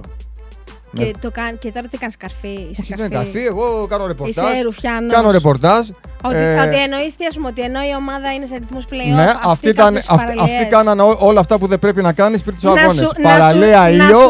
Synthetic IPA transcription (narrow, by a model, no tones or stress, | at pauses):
net̪okɐncet̪o̞ɾɐt̪ikɐnskɐɾfioçit̪ɐnkɐ̰ɾfie̞ɣo̞kɐnoɾe̞postɐsɾufçɐnkɐnoɾe̞po̞ɾt̪ɐsoot̪ienoistiɐsumeot̪ieno̞io̞mɐðɐines̬ɐɾiθmuspleneɐft̪it̪ɐnɐɾɐft̪ikɐnɐnoo̞lɐːft̪ɐpuðebɾe̞pinɐkɐnispiɾit̪usɐɣonespɐɾɐleɐio